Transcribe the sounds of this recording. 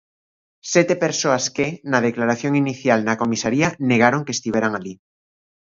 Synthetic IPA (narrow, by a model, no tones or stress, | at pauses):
sjet̪epe̞ɾsoaskenaðeklaɾaθjo̞ŋiniθjalnako̞misaɾiane̞ɣ̞aɾo̞ŋkest̪iβjeɾaŋali